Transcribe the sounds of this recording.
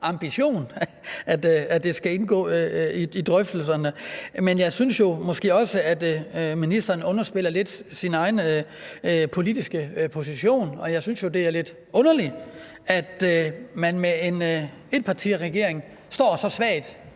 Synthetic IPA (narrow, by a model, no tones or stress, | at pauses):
ʔɑ̈mb̥iɕo̝̰ːn | æd̥æd̥e̝sɡ̥æe̝nɡ̥ɔ̰ːiid̥ʁœfd̥l̩sɐnəmenjɑ̈ɪsynsjo̝mɒ̽sɡ̥e̝̰ːɒ̽səæd̥minisd̥ɐːnɔ̽nɐsb̥e̝l̰ɐle̝d̥sinɑ̈ɪn̩ | pʰo̝lid̥isɡ̥əpʰo̝s̬iɕo̝̰ːnɒ̽jɑ̈ɪsynsjo̝d̥e̝æɐle̝d̥ | ʔɔ̽nɐli | æd̥mænmee̝n | e̝d̥̚pʰɑ̈t͡sʰḭːʁɛɡ̥e̝ɐeŋ̩ | sd̥ɒ̰ːsɒ̽sʋɛ̰ːd̥